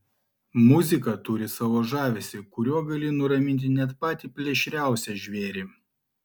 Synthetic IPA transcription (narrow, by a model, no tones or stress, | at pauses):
mʊzʲɪkɐt̪ʊɾʲɪsɐʋoːʒɑːʋʲesʲɪkʊɾʲuɔɡɐlʲɪnʊɾɐmʲɪnʲt̪ʲɪnʲɛt̪pɑːt̪ʲiːpʲlʲɛʃʲɾʲæˑʊsʲɛʒʲʋʲeːɾʲeː